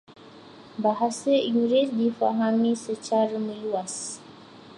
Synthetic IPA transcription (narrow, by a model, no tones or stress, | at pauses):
baɦasəiuɾɪt̪̚difa̰ɦamisət͡ʃaɾamə̃luas